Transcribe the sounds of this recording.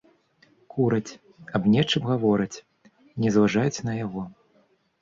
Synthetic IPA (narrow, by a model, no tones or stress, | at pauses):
kuɾɐt͡sʲ | abnʲɛt͡ʂɨmɣavɔɾɨt͡sʲ | nʲɛzvaʐajut͡sʲnɐjaɣɔ